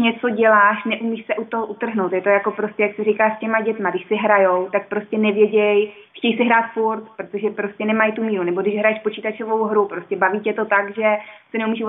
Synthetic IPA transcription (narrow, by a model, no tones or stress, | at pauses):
ɲɛt͡so̞ɟɛlaːʃnɛʔumiːʃsɛʔut̪oɦoʔut̪r̩ɦnowt̪jɛt̪o̞jako̞pɾo̞scʲɛjaksɪrikaːscɛmaɟɛt̪maɡdɪʃsɪɦɾajowt̪ak̚pɾo̞scʲɛnɛvjɛɟɛj | xcɛjsɪɦɾaːt̪fuɾt̪pɾot̪o̞ʒɛpɾoscɛnɛmajt̪umiːɾunɛbo̞dɪʃɦɾajɛʃpo̞t͡ʃiːt̪at͡ʃovo̞wɦɾupɾoscɛbaviːcɛt̪o̞t̪aɡʒɛsɛnɛumiːʃ